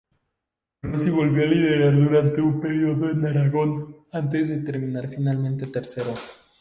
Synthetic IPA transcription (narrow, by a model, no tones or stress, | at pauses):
rosiβo̞lβjoalið̞e̞ɾaɾðuɾant̪e̞umpe̞ɾjo̞ðo̞enaɾaɣo̞nant̪e̞zðe̞t̪e̞ɾmĩnaɾfinalmẽ̞nt̪e̞t̪e̞ɾse̞ɾo